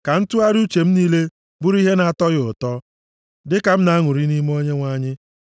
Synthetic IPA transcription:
ka˨n̩˦tʊ˦a˦ɾu˦t͡ʃe˨m̩˦niː˦le˦ | bʊ˦ɾi˦ɦe˦na˨a˨tɔ˦ɣɪ˦ʊ˨tɔ˦ | dɪ˦ka˨m̩˦na˨a˦ŋʊ˨ɾi˦ni˦m˦o˦ɲe˦ŋʷa˦ɲɪ˦

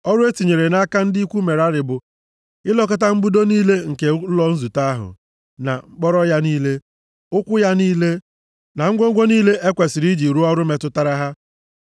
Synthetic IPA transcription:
ɔ˦ɾʊ˦e˦ti˨ɲe˨ɾe˨na˦ka˦n̩˦dɪ˦i˦kʷu˦me˨ɾa˦ɾɪ˨bʊ˨ | ɪ˦lɔ˦kʊ˦t̬a˦ŋ͡m̩˦ɡ͡bu˦do˦niː˦le˦ŋ̩˨ke˨˦lɔ˦n̩˦zu˨ta˦a˦ɦʊ̰˨ | na̰˨ŋ͡m̩˦k͡pɔ˦ɾɔ˦ja˦niː˦le˦ | ʊ˦kʷʊ˦ja˦niː˦le˦ | na˨ŋ̩˦ɡʷo˦ɡʷo˦niː˦le˦ʔe˦kʷe˨sɪ˨ɾi˦d͡ʒi˨ɾu˦ɔ˦ɾʊ˦me˨tʊ˦ta˦ɾa˦ɦa˦

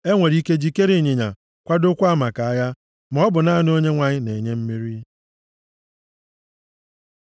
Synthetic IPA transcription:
e˦ŋʷe˨ɾi˦ke˦d͡ʒi˦ke˦ɾe˦˨ɲe˨ɲa̰˨ | kʷa˦dʊ˦kʷa˦ma˨ka˨a˦ja˦ | m̩˨˦ɔ˦bʊ˨na˦˨˦n˦o˦ɲe˦ŋʷa˨ɲɪ˦ne˨ɲe˦m̩˦mi˦ɾi˦

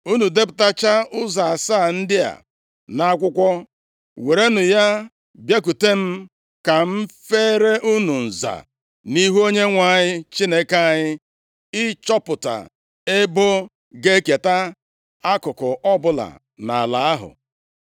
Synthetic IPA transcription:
u˦nu˨de˦p̬ʊ̥˨ta˦t͡ʃa˦ʊ˦za˨a˨sa˦˨n̩˦dɪ˦a̰˨ | na˨a˦kʷʊ˦kʷɔ˦ | we˨ɾe˦nʊ˨ja˦ | bja˦k̬u˨te˦m̩˦ | ka˨m̩˦fe˦ɾe˦ʔu˦nu˨n̩˨za̰˨ | ni˦ɦu˦o˦ɲe˦ŋʷa˨ɲɪ˦t͡ʃi˦ne˦ka˦ɲɪ˦ | ɪ˦t͡ʃɔ˦pʊ˨ta̰˨ | e˦bo˦ | ɡe˦ke˨ta˦ | a˦kʊ˨kʊ˨ʔɔ˦bʊ˦la̰˨ | na̰˨a˨la˨˦a˦ɦʊ̰˨

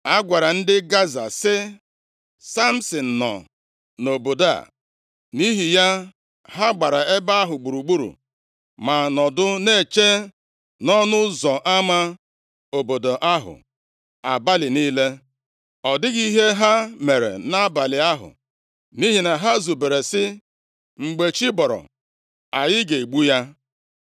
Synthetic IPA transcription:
a˦ɡʷa˨ɾa˨n̩˦dɪ˦ɡa˦za̰˨sɪ˦ | sa˦m̩˦sɪ˨n̩˨nɔ̰˨ | no˨bo˨da̰˦˨ | mi˦ɦi˨ja˦ | ɦa˦ɡ͡ba˨ɾa˨e˦ba˦a˦ɦʊ˨ɡ͡bu˨ɾu˨ɡ͡bu˦ɾṵ˨ | ma˨nɔ˨dʊ˦ne˦˨t͡ʃe˦ | nɔ˦nʊ˦zɔ˨ʔa˦ma˦ | o˨bo˨do˨ʔa˦ɦʊ̰˨ | a˨ba˦lɪ˨niː˦le˦ | ɔ˨dɪ˦ɣi˦ɦe˦ɦa˦me˨ɾḛ˨na˦ba˨lɪ˨a˦ɦʊ̰˨ | ni˦ɦi˨na˨ɦa˦zu˨be˨ɾe˨sɪ˦ | ŋ͡m̩˨ɡ͡be˨t͡ʃi˦bɔ˨ɾɔ̰˨ | a˨jɪ˦ɡe˨i˨ɡ͡bu˦ja˦

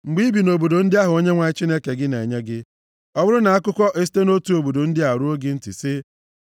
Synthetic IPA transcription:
ŋ͡m̩˨ɡ͡bi˦bi˨no˨bo˨do˨n̩˦dɪ˦a˦ɦʊ˨o˦ɲe˦ŋʷa˨ɪ˦t͡ʃi˦ne˦ke˨ɡɪ˦ne˨e˨ɲe˦ɡɪ˦ | ɔ˦bʊ˦ɾʊ˦na˨a˦kʊ˦kʷɔ˦ʔe˦s̬i̥˦te˦no˦tu˨˦o˨bo˨do˨n̩˦dɪ˦a˨ɾu˦o˦ɡɪ˦n̩˦tḭ˨sɪ˦

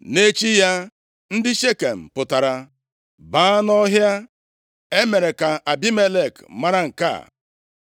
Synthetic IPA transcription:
ne˦t͡ʃi˦ja˦ | n̩˦dɪ˦ʃe˦ke˨m̩˨pʊ˨ta˨ɾa˨ | ba˨˦nɔ˦ɦja˦ | e˦me˨ɾe˨ka˨ʔa˨bi˦me˦le˦˨kma˦ɾa˦ŋ̩˨ka̰˦˨

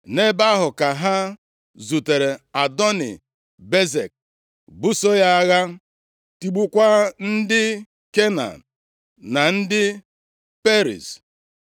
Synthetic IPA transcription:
ne˦ba˦ɦʊ˨ka˨ɦa˦ | zu˨te˨ɾe˨a˨dɔ˦nɪ̰˨ | be˦zḛ˨k̚ | bu˦so˦ja˦ɣa˦ | ti˨ɡ͡bu˦kʷa˦n̩˦dɪ˦ | ke˦na̰˨n̩˨ | na˨n̩˦dɪ˦ | pe˦ɾḭ˨s

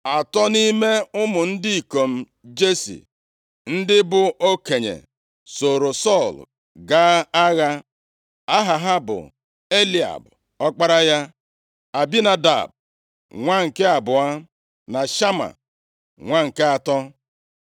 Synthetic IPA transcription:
a˨tɔ˦ni˦me˦ʊ˦mʊ˨n̩˦di˦i˨ko˨m̩˦ | d͡ʒe˦sḭ˨ | n̩˦dɪ˦bʊ˦ʔo˦ke˨ɲḛ˨ | so˨ɾo˨sɔ˦˨l | ɡaː˦a˦ɣa˦ | a˦ɦa˨ɦa˦bʊ̰˨ | e˦li˨a̰˨b | ɔ˦k͡pa˦ɾa˦ja˦ | a˨bi˦na˨da̰˨b̚ | ŋʷa˦ŋ̩˨ke˦a˨bʊ˨a˦ | na˨ʃa˦ma̰˨ | ŋʷa˦ŋ̩˨ke˦a˨tɔ˦

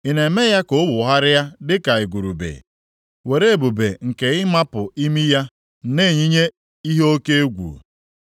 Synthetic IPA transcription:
ɪ˨ne˨me˦ja˦ko˦wʊ˨ɦa˦ɾɪ˦ja˦dɪ˦ka˨i˨ɡʷu˨ɾu˨bḛ˨ | we˨ɾe˦e˨bu˨be˨ŋ̩˨ke˨ɪ˦ma˦pʊ˨i˦mi˦ja˦ | ne˦˨ɲi˦ɲe˦ | i˦ɦo˦ke˦e˦ɡʷṵ˨

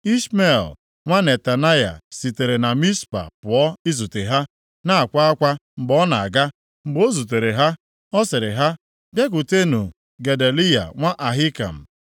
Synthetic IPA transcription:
i˦sme˦˨l | ŋʷa˦ne˨ta˨na˦ja̰˨si˨te˨ɾe˨na˨mi˦spa̰˨pʊ˨ɔ˦i˦zu˨te˨ɦa˦ | na˦a˨kʷa˦a˦kʷa˦m̩˨ɡ͡bɔ˦na˨a˨ɡa˦ | m̩˨ɡ͡bo˦zu˨t̬e˨ɾe˨ɦa˦ | ɔ˦sɪ˨ɾɪ˨ɦa˦ | be˦k̬u˨te˦nu˨ | ɡe˨de˨li˦ja̰˨ŋʷa˦ʔa˨ɦɪ˦ka̰˨m̩˨

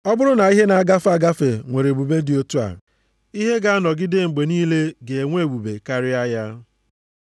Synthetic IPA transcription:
ɔ˦bʊ˦ɾʊ˦na˨i˦ɦe˦na˨a˦ɡa˦fa˦ɡa˦fe˨ŋʷe˨ɾe˨bu˨be˦dɪ˨o˦tu˦a̰˨ | i˦ɦe˦ɡa˦a˦nɔ˨ɡɪ˦dɪ˦ŋ͡m̩˨ɡ͡be˨niː˦le˦ɡe˨e˨ŋʷe˦˨bu˨be˨ka˦ɾɪ˦a˦ja˦

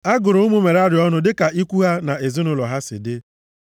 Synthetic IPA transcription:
a˦ɡʊ˨ɾʊ˨˦ʊ˦mu˦me˨ɾa˦ɾɪ˨ɔ˦nʊ˦dɪ˦ka˨i˦kʷu˦ɦa˦na˨e˨zi˦nʊ˦lɔ˨ɦa˦sɪ̰˨dɪ˦

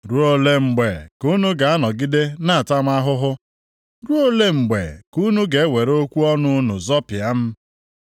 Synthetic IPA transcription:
ɾu˦o˦le˦ŋ͡m̩˨ɡ͡be˨ku˦nu˦ɡa˨a˦nɔ˨ɡi˦de˦na˦a˨ta˦m̩˦a˦ɦʊ˦ɦʊ˦ | ɾu˦o˦le˦ŋ͡m̩˨ɡ͡bḛ˨ku˦nu˦ɡe˨˦we˨ɾo˦kʷu˦ɔ˦nʊ˦nʊ˨zɔ˦pja˦m̩˦

